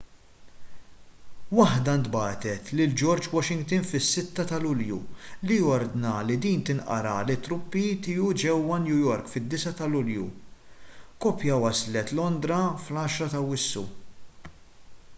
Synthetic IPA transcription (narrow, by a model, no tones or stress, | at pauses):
wɐħd̪ɐnt̪bɐːt̪ɛt̪lɪld͡ʒɔɾd͡ʒwɔʃɪŋɡt̪ɪnfɪsːɪt̪ːɐt̪ɐlʊljṵlijɔɾd̪nɐlid̪iːnt̪ɪnʔɐ̰ɾɐlɪt̪ːɾʊpːit̪ɪːud͡ʒɛwːɐnjujɔɾkfɪd̪ːɪsɐt̪ɐlʊljṵ | kɔːpjɐwɐslɛt̪lɔnd̪ɾɐflɐːʃɾɐt̪ɐwɪsːṵ